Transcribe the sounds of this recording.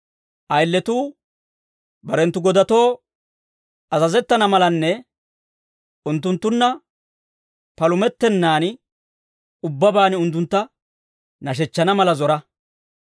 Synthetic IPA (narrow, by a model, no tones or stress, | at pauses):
ʔɐjlːɛt̪uː | bɐɾɛnt̪ːʊɡɔd̪ɐt̪o̞ː | ɐzɐzɛt̪ːɐnɐmɐlɐnːɛ | ʔʊnt̪ːʊnt̪ːʊnːɐ | pɐlʊmɛt̪ːɛnːaːn | ʊbːɐbaːnʊnt̪ːʊnt̪ːɐ | nɐʃ̬ɛt͡ʃːɐnɐmɐlɐzɔɾɐ